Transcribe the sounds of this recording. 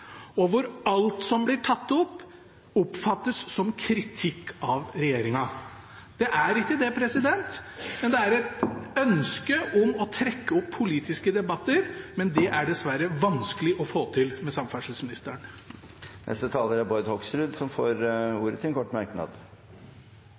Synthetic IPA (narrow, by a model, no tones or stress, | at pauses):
ɔʋʊɾɑlt̪sɔmblɪʈʰɑt̪ːɔpː | ɔpfɑt̪ːəsːɔmkʰɾɪt̪ʰɪkːɑʋɾɛjeːɾɪŋɑ | d̪̥ɛʔæɾɪk̚k̪əd̪ɛpʰɾɛsɪd̪ɛnt̪mɛnd̪ɛæɾɛt̪œnskəʔɔmɔt̪ʰɾɛkːəɔpʰːʊliːt̪ɪskəd̪ɛbɑt̪ːəɾmɛnd̪ɛʔæɖɛsʋæɾəʋɑnskəlɪʔɔfoːt̪ʰɪlmɛsɑmfæʂəsmɪnɪst̪əɳ | nʔɛ̰st̪ət̪ʰɑːləɾæbɔɾd̪hɔksɾʉd̪sɔmfoːɾuːɾət̪ʰɪlkʰɔʈːmɑɾknɑ̰ːd̪